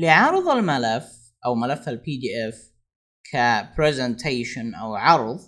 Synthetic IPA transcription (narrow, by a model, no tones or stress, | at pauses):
lɪʕɑɾˤɨðˤalmalaf | ʔawmalafːalpiːd̪iːʔɛf | kʰapɾizɛnt̪ʰeːʃɪnʔa̰wʕɑɾˤðˤ